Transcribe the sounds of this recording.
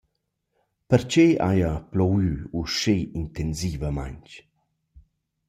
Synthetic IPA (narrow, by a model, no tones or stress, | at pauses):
pəɾt͡ʃea̰japlɔwyuʃeint̪ɛnzivəma̰jɲt͡ʃ